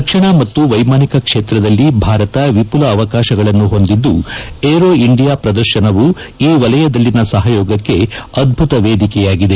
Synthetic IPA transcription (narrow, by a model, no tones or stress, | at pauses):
ɐkʂɐɳɐmɐt̪ːuʋɐjmaːnikɐkʂe̞ːt̪ɾɐd̪ɐlːibʱaːɾɐt̪ɐʋipulɐːʋɐkaːʃɐɡɐɭɐnːuɦo̞nd̪id̪ːueːɾoːiɳɖijaːpɾɐd̪ɐɾʃɐnɐʋuiːʋɐlɐjɐd̪ɐlːinɐsɐɦɐjɔːɡɐkːe̞ɐd̪̚bʱut̪ɐʋeːd̪ikɛjaːɡid̪e